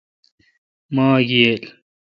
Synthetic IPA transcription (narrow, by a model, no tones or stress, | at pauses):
mãːɡijel